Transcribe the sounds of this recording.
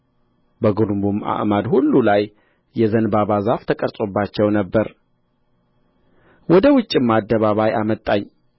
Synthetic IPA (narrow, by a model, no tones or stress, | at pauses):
bəɡuɾmbuma̰ʔmad̪hulːulaj | jɛzənbaβazaft̪ʰəkʼəɾsʼobːat͡ʃːɛwnəbːəɾ | wɔd̪əwʊt͡ʃʼːimad̪ːəβaβajamət̪ʼːaɲː